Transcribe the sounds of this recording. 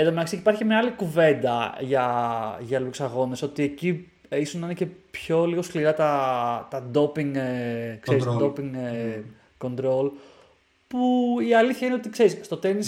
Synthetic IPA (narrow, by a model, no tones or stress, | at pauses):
eðomeɐksiipɐɾçimɲɐɐlikuve̞nd̪ɐʝɐʝɐluksɐɣo̞ne̞so̞t̪ie̞ci | isosninecepço̞liɣo̞skliɾɐt̪ɐt̪ɐd̪o̞piŋkseɾist̪od̪o̞piŋ | ko̞nt̪ɾo̞l | puiɐliθçɐineot̪ikse̞ɾisst̪o̞t̪e̞nis